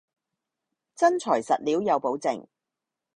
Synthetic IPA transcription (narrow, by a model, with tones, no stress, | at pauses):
t͡sɐ˥nt͡sʰɔː˨˩jsɐ̰˨t̚liː˨˥wjɐ˨˧wpo˨˥wt͡sɪ̰˨ŋ